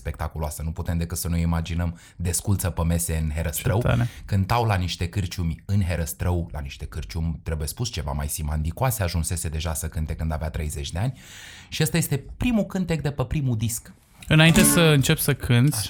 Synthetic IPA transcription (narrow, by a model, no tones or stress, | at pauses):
spe̞kt̪akuloasənuput̪e̞md̪e̞kɨt̪sənujimad͡ʒinəm | d̪e̞skult̪səpəme̞se̞ɨnɦe̞ɾəst̪ɾɾəw̪a̰nkɨnt̪awlaniʃt̪e̞kɨrt͡ʃumʲɨnɦe̞ɾəst̪ɾəwla̰niʃt̪e̞kɨrt͡ʃumʲt̪ɾe̞buje̞spust͡ʃe̞va̰ma̰jsimand̪ikoaseaʒunse̞se̞d̪e̞ʒasəkɨnt̪e̞kɨnd̪aveat̪ɾe̞jze̞t͡ʃʲd̪e̞anʲ | ʃiast̪ajest̪e̞pɾimukɨnt̪e̞k̚d̪e̞pəpɾimud̪isk | ɨnaint̪esəɨnt͡ʃe̞psəkʰɨnt̪sʲ